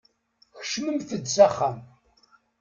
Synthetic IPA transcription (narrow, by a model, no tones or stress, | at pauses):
çə̥ʃməmθəd̪saχːam